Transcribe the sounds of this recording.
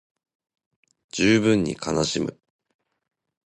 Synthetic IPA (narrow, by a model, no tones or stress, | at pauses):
d͡ʑ̥ɨːbɯ̟̃ɲ̟ːḭkʰanaɕimɯ̟